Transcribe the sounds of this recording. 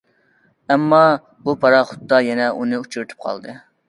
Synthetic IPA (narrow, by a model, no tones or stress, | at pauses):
ɛmːɑ | bupʰɑɾɑχʊ̥t̪ːɑjɛnɛʔunɨut͡ʃʰyɾt̪ʰy̥p̚qʰɑ̰lˠd̪ɨ